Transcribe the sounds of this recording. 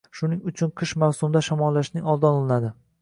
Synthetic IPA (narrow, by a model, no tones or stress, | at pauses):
ʃʊnɪŋʊt͡ʃʰʊnqʰɨʃmawsʊmd̪aʃamɒlːaʃnɪŋɒlˠd̪ɒnɒlˠɪnad̪ɪ